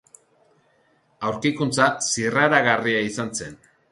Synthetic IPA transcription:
awɾkikunt͡sasiraɾaɣariaisanse̞n

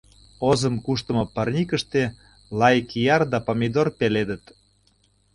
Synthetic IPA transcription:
ozəmkuʃt̪ə̆mɤ̆pərnʲikəʃt̪e | lɑjkijɑrd̪ɑpomʲid̪orpeled̪ət̪

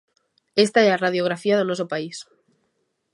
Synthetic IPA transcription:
est̪aearaðjoɣ̞ɾafiað̞onosopais

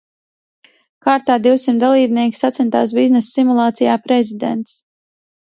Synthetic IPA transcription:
kaːɾt̪aːd̪iwsimt̪d̪alˠiːbniɛkisat̪sɛnt̪aːs̬biznɛsːimulˠɑːt̪sijaːpɾɛzid̪ɛ̰nt̪s

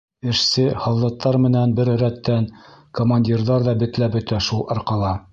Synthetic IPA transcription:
ɘ̆ʃsɘhɑwlˠɤ̆q̚t̪ːɑɾmɘ̆nænbɘɾɾæt̪ːænkomanʲdʲirðɑɾðɑbɘ̆t̪læbɵ̆t̪æʃulˠɑɾqɑlˠɑ

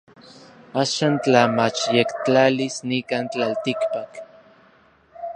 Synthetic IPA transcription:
aːʃaːnt͡ɬamat͡ʃjekt͡ɬalisnikaːnt͡ɬalt̪ikpak

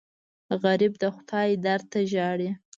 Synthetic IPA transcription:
ɣaɾib̚d̪əxʊ̥t̪ɑjd̪aɾt̪aʒɑɽi

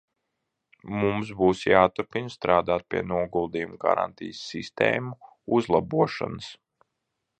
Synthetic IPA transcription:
mumsbuːsjaːt̪uɾpinst̪ɾaːd̪aːt̪̚piɛnuɔɡulˠd̪iːjumɡa̰ɾa̰nt̪ʰḭjəsːist̪ɛ̰ːmu | uzlˠabuɔʃa̰nəs

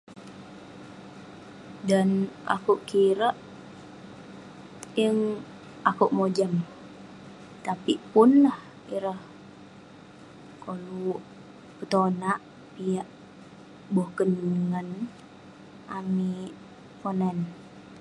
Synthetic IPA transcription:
danʔa̰kuʔkiɾəʔ | jəŋ | ʔakuʔmod͡ʒəm | t̪apipʊnːəh | iɾəh | kolu | pət̪onaʔ | pijaʔ | bohkənŋən | ʔami | ponɛn

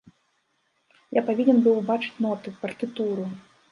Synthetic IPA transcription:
japavʲinʲɛnbɨwbat͡ʂɨ̥t͡sʲnɔt̪ɨpɐrt̪ɨt̪uɾu

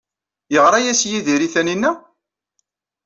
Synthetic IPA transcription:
jəʁɾˤɑjæsjiðiɾiθæninːæ

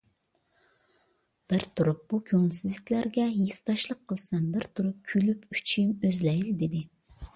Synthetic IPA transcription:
b̥ɪɾt̪ʰuɾup̚b̥ukʲʰøŋsɪzlɪkʲlæɾɡʲɛjist̪ɑʃlˠəqʰːəlˠsɑmbɪɾt̪ʰuɾup̚kʲʰylypy̥t͡ʃʰimøzlɛjld̪ed̪ɪ

